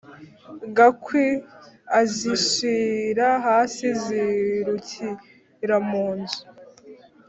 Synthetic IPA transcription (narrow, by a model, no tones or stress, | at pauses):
ɡakʰweaziʃiɾaɦaːsiziɾucʰi | ɾamuːnzu̥